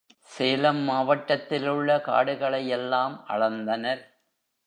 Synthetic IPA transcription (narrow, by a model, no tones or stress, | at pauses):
seːlɐmːaːʋɐʈːɐt̪ːɪlɯɭːɐka̰ːɽɯɣɐɭɐjɛlːaːmʔɐ̰ɻɐnd̪ɐnɐɾ